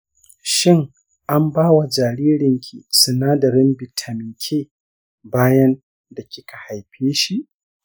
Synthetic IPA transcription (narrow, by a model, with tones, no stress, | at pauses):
ʃɪ˦ŋ | ʔa˦mbaː˦wa˨d͡ʒaː˨ɾiː˦ɾɪ˨ŋkʲʰi˨sʊ˨naː˦dɐ˨ɾɪ˦mbɪ˨tʰa˨mɪ˨ŋkʲʰeː˦˨ | baː˦jɐ˦n | da˨kʲɪ˦kʰa˨ha˨jɸeː˦ʃi˦ʔ